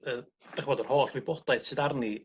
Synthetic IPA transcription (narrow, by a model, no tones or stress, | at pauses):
əː | d̥aχəvɔdɔr̥hoːɬvibɔdajð̥sɨdarni